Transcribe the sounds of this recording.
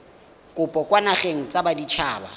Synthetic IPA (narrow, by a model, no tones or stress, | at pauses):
kʼʊpʼɔkʼwanaχeŋ̩t͡sʼabadit͡ʃʰaːba̰